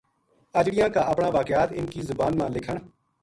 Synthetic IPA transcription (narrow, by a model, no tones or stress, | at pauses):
əd͡ʒɽɪjãːkaːʔəpɳãːʋaːkɪjaːt̪ɪnkiːzʊbaːnmãːlɪkʰəɳ̃